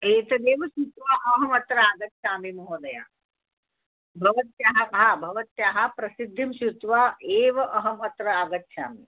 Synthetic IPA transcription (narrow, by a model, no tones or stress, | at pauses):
eːt̪ɐd̪eːʋɐsut̪ʋaːʔɐɦɐmɐt̪ɾɐaːɡɐt̪ʃaːmimɐɦoːd̪ɐja̰ː | bʱɐʋɐt̪jaːɦɐɦabʱɐʋɐt̪jaːɦɐpɾɐsid̪ʱːimʃut̪ʋaːeːʋɐʔɐɦɐmɐt̪ɾɐaːɡɐt̪ʃa̰ːmḭ